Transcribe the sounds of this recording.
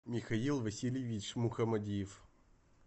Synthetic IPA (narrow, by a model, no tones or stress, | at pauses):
mʲixɐilˠvɐsʲilʲivʲiʂmuxɐmɐdʲijef